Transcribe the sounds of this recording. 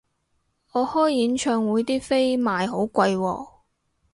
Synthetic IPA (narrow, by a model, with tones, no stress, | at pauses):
ɔː˨˧hɔː˥jːiː˨˥nt͡ʃʰœː˧ŋwuː˨˧jt̪iː˥fe˥jmaː˨jɦo˨˥wkʷɐ˧jwɔ̰ː˧˩